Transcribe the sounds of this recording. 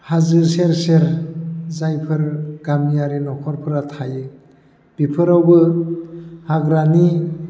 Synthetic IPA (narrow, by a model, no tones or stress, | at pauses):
hazɯɾseɾseɾzajpʰɯɾɡamijaɾinɔkʰɔɾpʰɯɾatʰajɯ | b̥ipʰɯɾawbɯ | haɡɾani